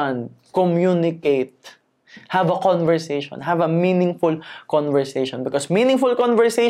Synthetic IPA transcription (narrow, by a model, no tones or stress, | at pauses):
n̚kɔmjunɪkejt̪̚ | hɐvɐkɔ̃nvɛɹsejʃɔ̰̃nɦɐvɐmĩnɪ̃ŋfʊlkɔ̃nvɛɹsejʃɔ̃nbɪkɔsmĩnɪ̃ŋfʊlkɔnvɛɹse